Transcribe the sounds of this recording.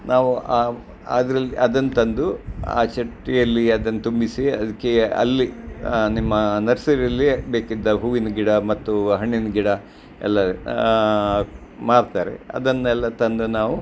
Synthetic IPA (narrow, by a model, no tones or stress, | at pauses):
naːʋua | a̰ːd̪ɾɐlːiʔɐd̪ɐnːut̪ɐnd̪ua̰ːt͡ʃɐʈːijɐlːiɐd̪ɐnːɐt̪umbisiɐd̪ɐkːeɐ̰lːinimːɐnɐɾsɐɾiɐlːibeːkid̪ːɐɦuːʋinɐɡiɽɐmɐt̪ːuɦɐɳːinɐɡiɽɐ | ɛ̰lːɐ | maːɽt̪aːɾḛɐ̰d̪ɐnːɛlːɐt̪ɐnd̪unaːʋu